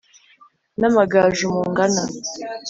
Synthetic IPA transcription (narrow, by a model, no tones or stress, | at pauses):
namaɡaʒumuŋɡana